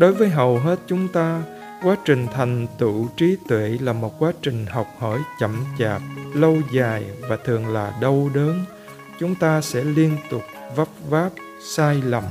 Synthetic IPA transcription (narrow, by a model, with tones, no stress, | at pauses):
ɗo˨˦jvəː˨˦jɦə˨˩wɦe˦˥t̚t͡ɕʊ˨˦ŋ͡mt̪aː˧ | kwaː˨˦t͡ɕï˨˩ŋ̟t̪ʰa˨˩jŋ̟t̪ɨ̰˧˨t͡ɕi˨˦t̪wḛ˧˨laː˨˩mo˨˩t̚kwaː˨˦t͡ɕï˨˩ŋ̟ɦa˨˩wk͡p̚həː˧˩jt͡ɕə˧˩mt͡ɕaː˨˩p̚lə˧wzaː˨˩jvaː˨˩t̪ʰɨ˨˩əŋlaː˨˩ɗə˧wɗəː˨˦n | t͡ɕʊ˨˦ŋ͡mt̪aː˧sɛ̰˧˥li˧ənt̪ʊ˨˩k͡p̚və˦˥p̚vaː˦˥p̚ | saː˧jlə˨˩m